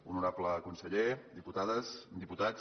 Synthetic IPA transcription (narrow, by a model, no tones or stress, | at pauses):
unuɾapləkunsəʎed̪iput̪aðəzd̪iput̪at͡s